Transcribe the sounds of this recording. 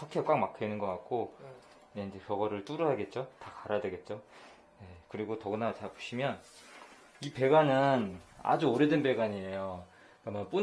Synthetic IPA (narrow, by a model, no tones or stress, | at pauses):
ʌkʰek͈waŋmakʰenɯnɡʌk͈at̚k͈o | neind͡ʑe̞kjʌɡʌɾɯɭt͈uɾuɦaɡe̞t̚t͡ɕ͈otakaɾadwe̞ɡe̞t̚t͡ɕ͈o | ne̞kɯɾiɡotʌɡɯnat͡ɕapo̥ɕʰimjʌn | ipe̞ɡanɯna̰d͡ʑuoɾedenbe̞ɡaɲie̞jo | kamap͈u